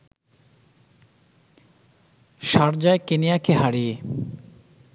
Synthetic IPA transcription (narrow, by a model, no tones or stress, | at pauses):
ʃaɾd͡ʑaekenijakeɦaɾie